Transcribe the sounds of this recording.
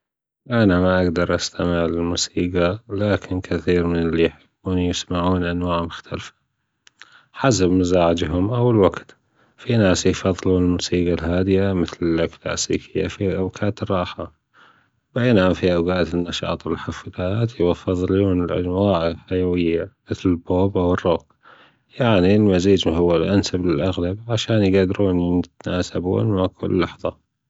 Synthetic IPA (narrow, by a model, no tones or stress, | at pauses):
ʔanamaʔaɡd̪ɑɾˤʔast̪ʰamɪʕlɪlmusiːɡalaːkʰɪnkʰaθiːɾmɪnɪlːijħʊɡuːnjɪsmaʕuːnʔanwaːʕmʊxt̪ʰalfḁ | ħas̬abmazaːʕɪd͡ʒɦʊmʔawːalwaɡt̪ | finaːsjfɑðˤːluːnɪlmuːsiːɡalɦaːd̪ɪjamɪθlɪlʔakla̰ːsḭːkʰɪjːa̰fiʔabkʰaːt̪ɪrˤːɑːħa | bʔeːnʔanfiʔawɡaːt̪nːɑʃɑ̰ːt̪ˤwɪlħaflaːt̪jwafːɨðˤluːnɪlʔa̰nwaːʕlħajawɪjːamɪθlɪlboːbʔawɪrˤːoːɡ̚ | jaʕnilmaziːd͡ʒɦʊwːalʔansablɪlʔaɣlabʕaʃaːnjɡad̪ɾuːnjɪt̪naːsabṵːnmaʕkʰʊ̰lːɑħðˤɑ